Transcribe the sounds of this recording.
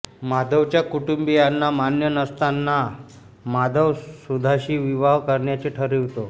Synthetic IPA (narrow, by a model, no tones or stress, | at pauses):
mad̪əʋt͡ɕjakuʈumbijanːamanjənəst̪anːa | mad̪ʱəʋsud̪ʱaɕiːʋiʋaɦkəɾɳjat͡ɕeʈʰəɾiʋt̪o